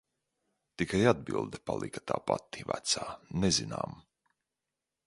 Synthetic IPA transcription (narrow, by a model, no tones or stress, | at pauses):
t̪ikajad̪̚bilˠd̪ɛpalˠikat̪a̰ːpat̪ːivæ̰t̪saːnezina̰ːm